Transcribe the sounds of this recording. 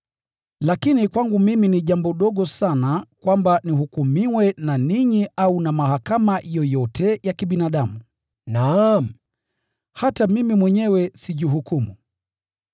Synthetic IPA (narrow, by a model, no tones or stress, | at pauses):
lakinikwaŋɡumiminiʄambɔɗɔɠɔsanakwambanihukumiwɛnaniɲiaunamahakamajɔjɔtʰɛjakiɓinaɗamu | nam̩ | hatamimimwɛɲɛwɛsiʄuɦukumṵ